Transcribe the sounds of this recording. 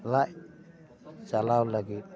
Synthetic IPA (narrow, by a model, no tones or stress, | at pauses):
laʔ | t͡ʃalawlaɡi